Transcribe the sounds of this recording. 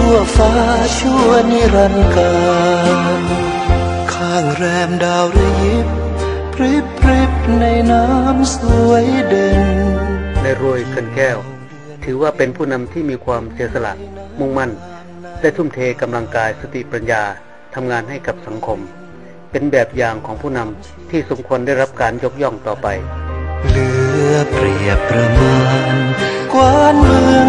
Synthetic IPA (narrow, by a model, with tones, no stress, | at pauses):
u˧˩əfaː˦˥t͡ɕʰu˥˩əni˧˥ɾa˧nkaː˧n | kʰaː˧˩ŋɾɛː˧mdaː˧wɾa˧ji˦˥p̚ʰ | ɾi˦˥pʰɾi˦˥p̚na˧jnaː˦˥msu˧əjde˧ŋ | na˧jɾoː˧jkʰɯ˧nkɛː˥˩w | t̪ʰɯː˩˦waː˥˩pe˧npʰuː˥˩na˧mt̪ʰiː˥˩miː˧kʰwaː˧msi˩˦t̪̚sa˧la̰˨˩ʔmu˥˩ŋma˥˩n | dlɛː˥˩t̪ʰu˥˩mt̪ʰeː˧ka˧mla˧ŋkaː˧jsa˧t̪ʰi˨˩pɾa˧njaː˧ | t̪ʰa˧mŋaː˧nha˥˩jka˨˩p̚sa˩˦ŋkʰo˧m | pe˧nbɛː˨˩p̚jaː˨˩ŋkʰɔː˩˦ŋpʰuː˥˩na˧m | t̪ʰiː˥˩so˩˦mkʰu˧əndaː˥˩jɾa˦˥p̚kaː˧njo˦˥k̚jɔ˥˩ŋt̪ɔː˨˩pa˧jlɯ˨˩˦ɐpɾi˨˩əp̚ːɾa˧mɯ˧ənkwaː˧˥˩nmɯ˧əŋ